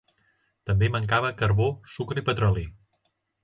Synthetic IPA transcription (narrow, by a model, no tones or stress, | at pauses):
t̪əmbeməŋkaβ̞əkəɾβosukɾəipət̪ɾɔli